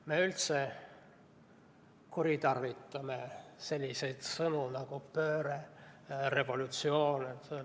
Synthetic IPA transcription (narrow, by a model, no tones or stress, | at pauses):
meylt̪se | kuɾit̪ɑrvit̪ːˑɑmese̞lʲːise̞jd̪̥sɤnunɑɡ̥upø̞ːɾere̞vo̞lut̪sio̞ːne